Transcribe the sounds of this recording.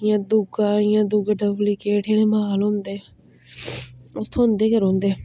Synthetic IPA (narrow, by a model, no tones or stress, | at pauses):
jãːd̪ʊɡajãːd̪ʊɡaɖəblikeːʈʰeɽ̃eːməɦaːlɦõːnd̪eː | ʊt̪ʰõʊ̃nd̪eːkəɾɦõːnd̪eː